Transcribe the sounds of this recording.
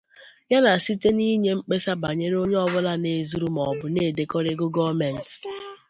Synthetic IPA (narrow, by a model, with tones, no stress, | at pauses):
ja˦na˨si˦te˦ni˦ɲe˦ŋ͡m̩˦k͡pe˦sa˦ba˨ɲe˦ɾo˦ɲe˦ɔ˦βʊ˦la˦ne˨zu˦ɾu˦m̩˨ɔ˨bʊ˨ne˦˨de˨kɔ˦ɾɪ˦ɡʊ˦ɡɔ˦mɛ˨n̩˨t